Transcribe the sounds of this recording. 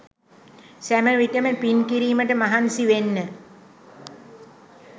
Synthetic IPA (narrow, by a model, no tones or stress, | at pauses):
sæməʋiʈəməpinkiɾiːməʈəmaɦansiʋenːə